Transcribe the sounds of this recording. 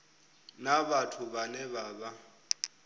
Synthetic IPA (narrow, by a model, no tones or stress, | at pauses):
naβatʰuβanɛβaːβa